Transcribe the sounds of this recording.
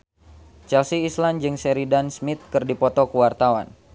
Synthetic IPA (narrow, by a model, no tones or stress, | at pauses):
t͡ʃɛlsiːsland͡ʒɨŋsɛɾidansmit̪̚kɨrdipɔt̪ɔkəwart̪awa̰n